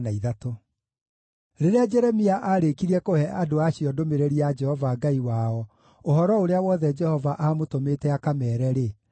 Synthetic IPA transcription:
naiðato | ɾeɾead͡ʒɛɾɛmiaʔaɾekiɾɛkohɛʔadoaɕiɔdomeɾeɾiad͡ʒɛhɔvaɡaiwaɔ | oɦɔɾɔoɾeawɔðɛd͡ʒɛhɔvaʔamotomeːtɛakamɛːɾɛɾe

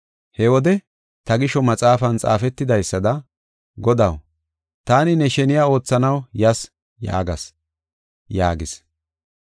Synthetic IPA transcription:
hɛwɔd̪ɛ | t̪ɐɡɪʃɔmɐt͡sʼaːfɐnt͡sʼa̰ːfɛt̪ːɪd̪ɐjsːɐd̪ɐ | ɡɔd̪ɐw | t̪aːnɪnɛʃɛnɪjaːo̞ːt͡sːɐnɐwjɐs | ja̰ːɡɐs | jaːɡɪs

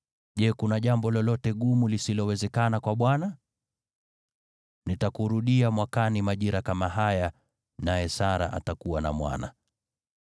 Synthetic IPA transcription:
ʄɛkunaʄambɔlɔlɔtɛɠumulisilɔwɛzɛkanakwaɓwana | nitakuɾuɗiamwakanimaʄiɾakamaɦaja | najɛsaɾa̰ʔa̰takuwana̰mwa̰na̰

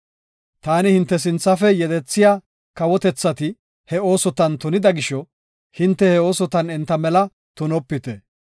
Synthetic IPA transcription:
t̪aːnɪhɪnt̪ːɛs̬ɪnt͡sːɐfɛjɛd̪ɛt͡sːɪjaː | kɐwɔt̪ɛt͡sːɐt̪ɪ | hɛo̞ːsɔt̪ɐnt̪ʊnɪd̪ɐɡɪʃɔ | hɪnt̪ːɛhɛo̞ːsɔt̪ɐnɛnt̪ːɐmɛlɐ | t̪ʊnɔpːɪt̪ɛ

